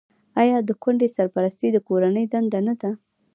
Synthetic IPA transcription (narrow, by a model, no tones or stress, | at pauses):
ajɑd̪əkwaɳɖesaɾpaɾast̪ed̪əkoɾanəjd̪and̪anad̪a